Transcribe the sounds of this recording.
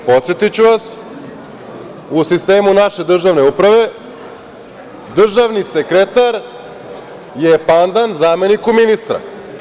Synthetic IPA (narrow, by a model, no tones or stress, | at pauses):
po̞t̪sjet̪it͡ɕuʋas | usist̪e̞ːmunaʃe̞d̪r̩ʒaʋne̞upɾaʋe̞ | d̪r̩ʒaʋnisekɾet̪aɾ | jepand̪anzaːme̞nikuminist̪ɾa̰